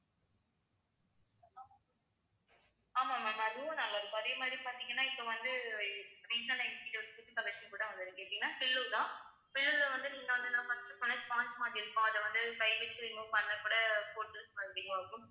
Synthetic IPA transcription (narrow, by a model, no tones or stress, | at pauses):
ma | aːmaːmaːmaːɐðɯʋõːnɐlːaːɪɾɯkːõɐðeːmaːd̪ɾipaːɾt̪iŋɡɐnːaːɪpːoʋɐnd̪ɯ | ɾiːsɐnɐɪkkːɪʈːʋɐɯkːʊtːɯk̪ɐʋɐt͡ʃːɐkuːɽɐʋɐnd̪ɯðɯ̃keːʈɪiŋɡɐnːaːpɪɭːut̪ãː | pɪɭːɯɾðɐ̃ʋɐnd̪ɯniːŋɡɐʋɐnd̪ɯnãːpɐfɐnɐt͡ʃpãːt͡ʃɐmaːʈɪɾɯkːõɐðɐʋɐnd̪ɯkɐɪʋɛt͡ʃːɯðɪŋõpɐnːɐkuːɽɐpoːʈːɯlspɐnɽiŋɡɐaːkːʊ̃